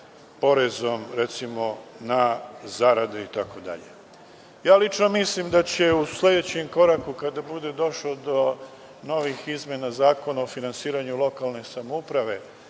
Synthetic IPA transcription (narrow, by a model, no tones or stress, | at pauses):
po̞ɾe̞zo̞mɾet̪simo̞nazaɾad̪eit̪ako̞d̪a̰ʎḛ | jaːlit͡ʃno̞mislimd̪at͡ɕe̞uslʲe̞d̪e̞t͡ɕemko̞ɾakukad̪abud̪e̞d̪o̞ʃlod̪o̞ | no̞ʋixizmjenazaːko̞naofinansiːɾaɲulo̞kalˠne̞samoupɾaʋe̞